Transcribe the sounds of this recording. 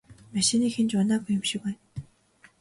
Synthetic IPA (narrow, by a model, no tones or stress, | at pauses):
maʃĭniːxent͡ɕʊnaːɣujʊ̆mʃɪ̆kæːn